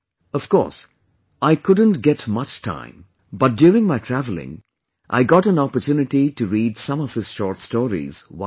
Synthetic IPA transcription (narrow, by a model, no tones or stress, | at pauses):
ʌv̥kɔ̰ɹs | ʔaɪkʰʊd̃ⁿn̩tɡɛtmʌt͡ʃtʰã̰ɪ̃m | bʌt̚d̥jʊːɹɪ̃ŋmaɪtʰɹ̥ævl̩ˠɪ̰̃ŋ | ʔa̰ɪɡɑɾə̃nɑpə˞tʰjunɨʈitɨɹiːdsʌ̃mʌv̥hɨz̥ʃɔːɹtstɔːɹḭz̥wa